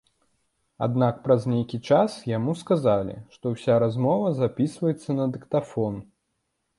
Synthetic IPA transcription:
a̰d̪nak̚pɾɐzʲnʲejkʲit͡ʂasjamuskazalʲḭʂt̪ɔwsʲaɾazmɔvɐzapʲisvɐjɛt̪sːɐnɐd̪ɨkt̪afɔn

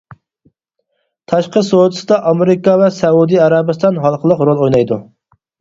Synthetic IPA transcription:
t̪ʰɑʃqəsod̪ɨsɨd̪ɑʔɑmeɾɪkɑvɛsɛud̪ɨɛɾɑbɨst̪ɑnɦɑlˠqʰəlˠəqɾolˠojnɑjd̪u

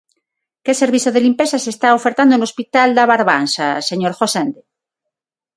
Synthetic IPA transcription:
keseɾβiθjoðelimpesasest̪aofeɾt̪and̪onlo̞spit̪ald̪aβaɾβansaseɲoɾxosend̪e

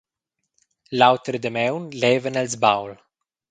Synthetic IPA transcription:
lawt̪ɾd̪əmɛwnlɛːvənɛlzbawl

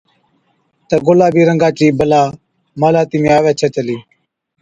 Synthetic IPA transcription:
t̪əːɡolaːbʱiːɾəŋɡaːt͡ʃiːbəlaː | maːlaːt̪imẽːaːʋeːt͡ʃʰət͡ʃəliː

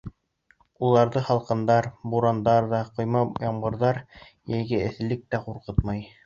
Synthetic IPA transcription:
ulˠɑɾðɤχɑlˠqɤ̆nd̪ɑɾbuɾɑnd̪ɑɾðɑqŏjmɑjɑɴbɤ̆ɾðɑɾ | jæjɡɘɘ̆θlɘk̚t̪æquɾqɤt̪mɑj

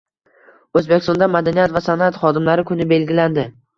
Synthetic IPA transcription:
ɵzbekʲɪst̪ɒnd̪amad̪anijat̪vasanat̪χɒd̪ɪmlaɾɪkʰʊnɪbe̞lɡʲɪland̪ɪ

